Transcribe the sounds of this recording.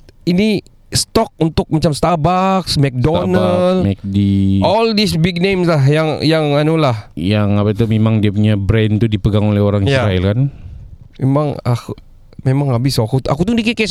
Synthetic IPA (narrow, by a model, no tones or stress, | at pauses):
ini | st̪ɔk̚unt̪ʊk̚mat͡ʃamst̪abaksmɛk̚donəlmɛk̚diɔldisbiɡ̚nemslaɦjaŋjaŋanulahjaŋapat̪umemaŋdiap̬uɲabɾɛnt̪udipəɡaŋolɛhoɾaŋijsɾaɛlkan | memaŋa̰ku | memaŋabɪsaakut̪akut̪udikika